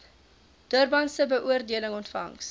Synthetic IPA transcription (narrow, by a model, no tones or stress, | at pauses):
d̥uərbɐnsəbəʔuərdiələŋɔntfɐ̰ŋs